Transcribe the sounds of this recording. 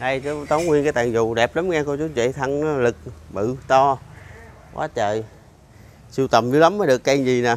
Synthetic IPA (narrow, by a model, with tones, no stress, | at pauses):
ɗa˧jt͡ɕt̪ə˨˦wŋ͡mkwi˧ənkaː˨˦jt̪a̰ː˧˨ŋzʊ˧˨ɗɛ˨˩p̚lə˨˦mŋaː˧kɔ˧˩t͡ɕu˨˦ŋ͡mzḛ˧˨t̪ʰa˧ŋnɔ˨˦lɨ˨˩k̚mɨ̰˧˨t̪ɔ˧ | wa̰ː˨˦t͡ɕəː˧˨j | si˧wt̪ə˨˩mzɨ˧˨˦la˨˦mːəː˨˦jɗɨ˨˩əkːa˧ŋzi˨˩na˨˩